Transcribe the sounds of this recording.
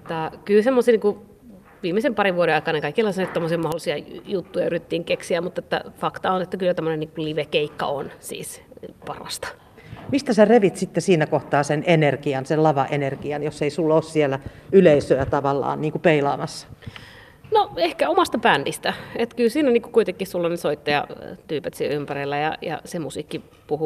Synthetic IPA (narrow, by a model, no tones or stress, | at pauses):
t̪ɑkylsemːosiːniːŋku | ʋiːmːˑesempɑriʋʋuoɾeɑˑikɑneŋkɑikːelːɑsnt̪omːosiɑmɑholːˑisiɑjut̪ːujɑyrit̪et̪ːiːŋkeksiæmut̪ːet̪ːæ̰fɑkt̪ɑonet̪ːækylːæt̪æmːoneniːŋkuliʋekeikːɑ̰onsḭːspɑrɑ̰st̪ɑ̥ | mist̪æsæreʋit̪sit̪ːesiːnækoht̪ɑːsenenerkiɑnsellɑʋɑʔenerkiɑnjoseisulːoːssielæyleisøæt̪ɑʋɑlːɑ̰ːnniːŋkupeilɑːmɑsːɑ̥ | noehkæomɑst̪ɑpændist̪æet̪kylsiːnæniːŋkukuit̪eŋkːihsulːɑnisoit̪ːɑjɑ̰t̪yːpet̪silympærilːæjɑ̰jɑ̰semusiːkːi | puhu